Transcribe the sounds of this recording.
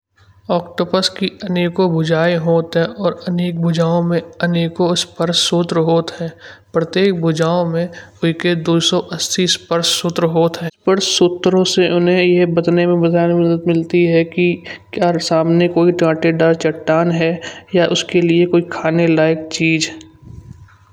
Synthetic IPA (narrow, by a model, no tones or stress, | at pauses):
ɔːkʈoːpəskiɐneːkobʱʊd͡ʒaːiɦoːt̪ɦɛ̃ʔɔːɾɐneːk̚bʱʊd͡ʒaːõmẽɐneːkospəɾʃsut̪ɾɦoːt̪ɦɛ̃ːpɾət̪eːk̚bʱʊd͡ʒaːõmẽʊked̪oːsɔʔɐst̪ʰispəɾʃsʊt̪ɾɦoːt̪ɦɛ̃ːpəɾsʊt̪ːɾõseʔʊnɦẽjeɦbɐd̪nemẽbɐd̪ʱaːnmʊd̪ət̪mɪlt̪iɦɛkikjaːsaːmnekoːiʈãːʈeɖaːɾt͡ʃɐʈːaːnɦɛjaʔʊskeliekoːikʰaːnelaːɪk̚t͡ʃiːd͡ʒɛ